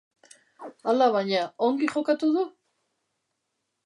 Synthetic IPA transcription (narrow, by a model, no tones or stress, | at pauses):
alaβaɲaoŋɡiχo̞kat̪uðu